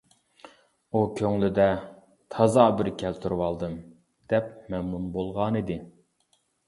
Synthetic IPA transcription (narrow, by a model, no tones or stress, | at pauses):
ukʲʰøŋlɪd̪ɛ | t̪ʰɑzɑbɪɾkʲʰɛlt̪ʰuɾwɑlˠd̪ɨm | d̪̥ɛpmɛmnunbolˠʁɑnid̪ɪ